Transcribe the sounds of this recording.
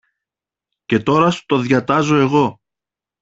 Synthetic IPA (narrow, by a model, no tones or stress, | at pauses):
ce̞t̪o̞ɾɐsu̥t̪o̞ðʝɐt̪ɐzo̞e̞ɣo̞